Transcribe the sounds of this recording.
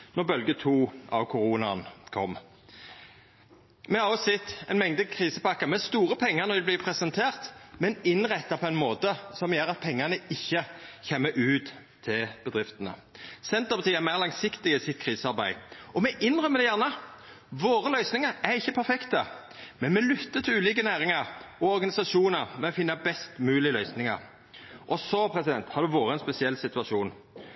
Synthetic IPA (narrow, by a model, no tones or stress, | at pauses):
nɔʁbœlɡət̪ʰuːʔɑ̰ʋkʰʊɾuːnɑ̰nkʰɔ̰mː | mɛhɑʁɔsɛt̪ːɛɪnmɛŋd̪əkʰʁiːsəpɑkːəʁmɛst̪uːʁəpʰɛŋːəʁnɔʋɪbliːpʰʁɛsɛnt̪ʰeːʁt̪mɛnɪnʁɛt̪ːɑpʰɔɛɪnmoːt̪əsɔmjɛʁɑt̪̚pʰɛŋːənəɪçːəçɛmːəʔʉːt̪ | t̪ʰːɪlb̥əd̪ʁɪft̪ənə̰sɛnt̪əpʰɑt̪ʰiːæɾmæːʁlɑŋsɪkt̪ɪɡəsɪt̪̚kʰʁiːsəɑɾbæɪʔɔmɛʔɪnʁœmːəd̪ɛjæːʁnə | ʋoːɾəlœʏsnɪŋəɾæɾɪçːəpʰæɾfɛkt̪ə | mɛnmɛlʏt̪ːət̪ʰɪlʉːliːk̬ənæːɾɪŋɑɾɔɔɾɡɑnɪsɑʃuːnəɾmɛɔfɪnːɑbɛst̪mʉːlɪlœʏsnɪŋɑ̰ɾ | ʔɔsɔpʰɾɛsɪd̪ɛnt̪hɑʁd̪ʉʋoːɾəɛnspɛsɪɛlsɪt̪ʉɑʂuːn